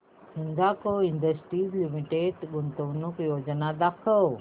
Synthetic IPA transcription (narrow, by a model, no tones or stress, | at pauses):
sɪ̃nd̪akoind̪əsʈiːzlimiʈeɖɡʊnt̪oʋnukjoːd͡ʑnad̪aːkʰəw